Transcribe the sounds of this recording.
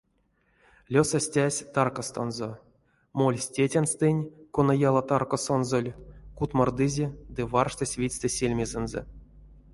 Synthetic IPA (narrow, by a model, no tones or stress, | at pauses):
lʲosasʲtʲæsʲt̪ɑrkast̪onzo | molʲsʲtʲetʲanst̪ɨnʲkonajalˠat̪arkosonzolʲkut̪mard̪ɨzʲed̪ɨvɑrʂt̪ɨsʲvʲit͡sʲt̪esʲelʲmʲezɛnzɛ̰